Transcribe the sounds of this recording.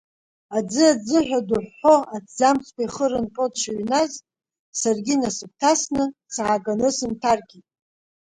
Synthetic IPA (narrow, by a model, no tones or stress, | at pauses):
ad͡zɨad͡zɨħʷᶣaduħːo̞add͡zamt͡sʰʼkʷajχəɾɨnqʼotʰʃaɥnaz | sarɡʲinasɨp̚tʰasnɨsaːɡanɨsɨntʰarkʲʼitʼ